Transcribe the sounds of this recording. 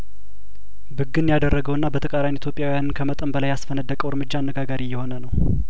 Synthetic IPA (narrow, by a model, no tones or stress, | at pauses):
bɨɡːɨnjad̪ərːəɡəwɨnːabət̪ʰəkʼaɾajnit̪jo̞pʼjawijanɨnkʰəmət̪ʼəmbəlajasfənəd̪ːəkʼəwɾmɨd͡ʒːaːnːəɡaɡaɾijɛho̞nənəw